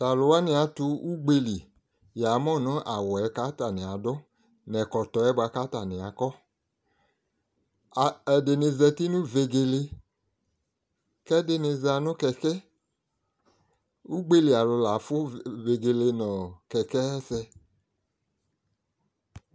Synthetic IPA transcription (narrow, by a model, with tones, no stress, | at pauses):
ta˨lʊ˧wa˦ni˧a˨tu˧u˦ɡ͡be˦˧li˨ | ja˨˦mɔ˦˨nɔ˦ʔa˨wɔ˨ɛ˨˦ka˦ta˨nĩ˨a˨dɔ˦ | nɛ˨kɔ˨tɔ˨ɛ˦ba˧ka˦ta˨nɪ˨a˨kɔ˦˨ | ɛ˨de˨ne˧zɛ˧ti˦nũ˦ve˧ɡe˧le˧ | kɛ˦de˦ne˧za˧˨nʊ˦kɛ˧kɛ˦ | u˦ɡ͡be˦li˨a˨lʊ˧la˨˦fʊ˦ve˧ɡe˧le˧nɔ˨kɛ˨kɛ˦ɛ˦sɛ˧